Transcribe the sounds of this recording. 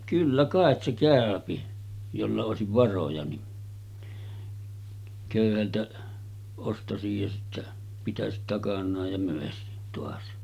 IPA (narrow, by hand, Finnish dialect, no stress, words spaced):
kylːæ kɑˑet se kæˑøpi jolːɑ oˑesiʋ ʋɑrojɑ ni køˑyhæltæ ostɑsij jɑ sitːæ pitæsit tɑkɑnˑɑːj jɑ møˑesit toɑs